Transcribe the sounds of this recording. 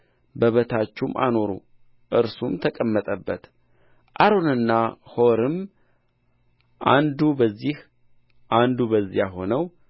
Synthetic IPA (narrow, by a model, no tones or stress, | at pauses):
bəβət̪ʰat͡ʃːumʔa̰no̞ɾṵ | ʔɨɾsumt̪ʰəkʼəmːət̪ʼəbːət̪ | ʔaɾo̞nɨnːahoɾɨm | ʔand̪ubəzːih | ʔand̪ubəzːijaɦo̞nəw